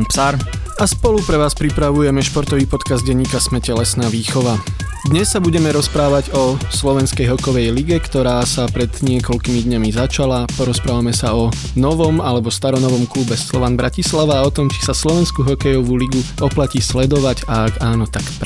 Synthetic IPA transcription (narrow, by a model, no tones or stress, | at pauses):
psaɾ | aspɔlupɾɛʋaːspɾipɾaʋujɛmɛʃpɔɾt̪ɔʋiːpɔt̪kazd̪̚ɟɛɲːiːkasmɛcɛlɛsnaːʋiːxɔʋa | d̪ɲɛsːabuɟɛmɛɾɔspɾaːʋaɟɔslɔʋɛnskɛjɦɔkɔʋɛjliɡɛkt̪ɔɾaːsapɾɛd̪ɲɪɛkɔʎkimid̪ɲamizat͡ʃalapɔɾɔspɾaːʋamɛsaɔ | nɔʋɔmalɛbɔst̪aɾɔnɔʋɔmklubɛslɔʋanbɾʔacislaʋaːɔt̪ɔmt͡ʃi̥saslɔʋɛnskuɦɔkɛjɔʋuliɡuɔplacislɛd̪ɔʋaɟaːɡaːnɔt̪akp